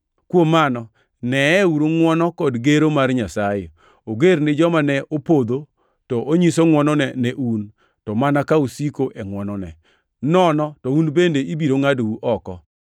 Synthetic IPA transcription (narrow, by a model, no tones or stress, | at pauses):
kwomːanɔ | nɛɛuɾoŋwɔnɔkɔdɡeɾomarɲasaje | oɡeɾnɪd͡ʒɔmanɛʔopod̪o | tɔʔoɲisoŋwɔnɔnɛnɛʔun | tɔmanakausikoʔɛŋwɔnɔnɛ̰ | nɔnɔtɔunbendeibiɾoŋadouʔɔkɔ